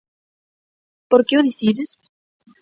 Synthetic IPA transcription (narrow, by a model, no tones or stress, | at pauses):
poɾkeoðiθiðɪs